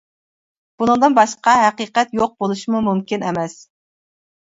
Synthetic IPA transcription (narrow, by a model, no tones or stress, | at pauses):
b̥unɨŋd̪ɨnbɑʃqɑɦæqiːqɛt̪joq̚bolˠuʃimumumkʲinɛmɛs